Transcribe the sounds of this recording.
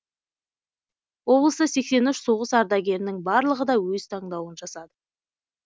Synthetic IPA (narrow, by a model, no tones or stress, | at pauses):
wo̞blˠəsəse̞kse̞nʏʃso̞ʁəsɑɾd̪ɑɡʲe̞ɾɪnɪŋbɑɾlˠəʁəd̪ɑwɵzt̪ʰɑɴd̪ɑwənʒɑsɑd̪ə